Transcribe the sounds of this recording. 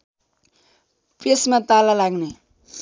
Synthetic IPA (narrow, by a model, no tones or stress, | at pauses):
pesmãt̪alalaɡne